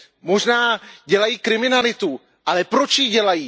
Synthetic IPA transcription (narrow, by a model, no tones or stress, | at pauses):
mo̞ʒnaːɟɛlajiːkɾɪmɪnalɪt̪u | ʔalɛpɾot͡ʃjiɟɛlajiː